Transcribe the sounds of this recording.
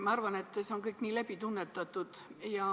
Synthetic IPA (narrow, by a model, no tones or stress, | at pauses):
mɑɑrvɑne̞t̪ːˑseo̞nkɤjkniːlæbit̪unːet̪ːˑɑt̪ːˑud̪̥jɑ